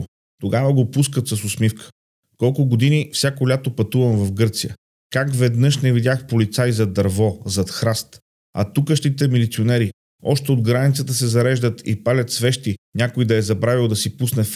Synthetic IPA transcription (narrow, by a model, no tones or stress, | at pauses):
t̪oɡavəɡopuskət̪sɐsʊsmifkʰə̥ | kɔlˠkʊɡod̪inifsʲakolʲat̪opɐt̪uvɐmvɐfɡɤɾt̪sijə̰ | kakvɛd̪nɤʃnɛvid̪ʲjaxpolit̪sajzɐd̪ɐɾvɔzɐt̪xɾast̪ | ɐ̰t̪ukəʃt̪it̪ɛmilit̪sionɛɾi | ɔʃt̪ɛod̪ɡɾanit̪sət̪əsɛzɐɾɛʒd̪ət̪ʰḭpalʲɐt̪svɛʃt̪inʲakoid̪ɐɛzɐbɾavilˠd̪ɐsipusnɛf